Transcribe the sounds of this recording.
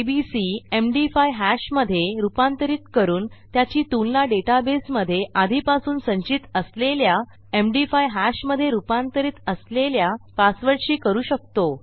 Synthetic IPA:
bisiemɖifajɦæɕməd̪ʱːjeɾupãnt̪əɾiːt̪kəɾuːnt̪jat͡ɕiːt̪unlaɖeʈabesməd̪ʱːjeʔad̪ʱiːpasuːnsə̃ɲt͡ɕit̪əslelja | emɖifajɦæɕməd̪ʱːjeɾupãnt̪əɾiːt̪əsleljapasʋəɽɕiːkəɾuːɕək̚t̪o

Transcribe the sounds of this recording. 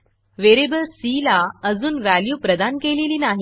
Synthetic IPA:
ʋeɾebəlsilaəd͡zuːnʋæljuːpɾəd̪ankeleliːnaɦ

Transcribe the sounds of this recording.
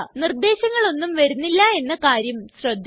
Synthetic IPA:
nird̪e̞ːɕɐŋːɐɭo̞nːumʋɐɾunːilːɐe̞nːɐkaːɾjɐmɕrɐd̪ʱː

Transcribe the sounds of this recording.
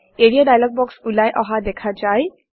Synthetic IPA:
eɽijadajlɔɡ̚bɔksulajʔɔɦad̪ɛkʰazaj

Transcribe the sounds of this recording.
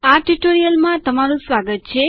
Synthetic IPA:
aʈuʈoɾijəlmãt̪əmaɾũsʋaɡət̪̚t͡ʃʰe

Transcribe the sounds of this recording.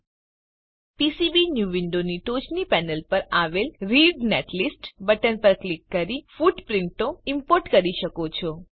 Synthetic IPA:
pisibinjuʋiɳɖoniʈot͡ʃnipɛnəlpəɾaʋelɾiɖneʈlisʈbəʈənpəɾklikːəɾifuɖpɾɪɳʈoɪmpoɾʈkəɾiʃəkot͡ʃʰɔ

